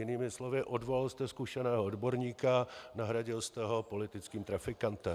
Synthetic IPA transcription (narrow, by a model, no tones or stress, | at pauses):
jɪniːmɪslovɪʔodvolalst̪ɛskuʃɛnɛːɦoodbo̞ɾɲiːkanaɦɾaɟɪlst̪ɛɦo̞po̞lɪt̪ɪt͡skiːmt̪ɾafɪkant̪ɛ